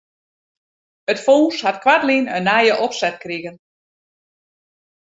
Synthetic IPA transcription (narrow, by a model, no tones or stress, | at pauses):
ətfoːshatkwatliːnənːajəʔɔpsɛt̚kriɣən